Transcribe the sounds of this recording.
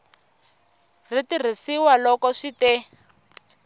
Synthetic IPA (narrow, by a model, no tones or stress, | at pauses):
ritir̤isiwalɔkɔʂitɛ